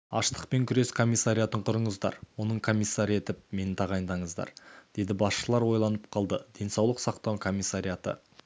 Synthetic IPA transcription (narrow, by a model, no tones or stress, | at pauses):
ɑʃt̪ə̥q̚pe̞ŋkʲʰʏɾe̞skʰo̞mːijsːaɾʲijat̪əɴqʰʊɾəɴəzd̪ɑ̰ɾwo̞nəɴkʰo̞mijsːaɾəe̞t̪ɪp̚me̞nɪt̪ʰɑʁɑjnd̪ɑɴəzd̪ɑ̰ɾd̪̥e̞d̪ɪbɑsʃəlˠɑɾwo̞jlˠɑnəp̚qʰɑlˠd̪əd̪̥e̞nsɑwlˠəqsɑqt̪ɑwkʰo̞mijsːaɾijat̪ə̰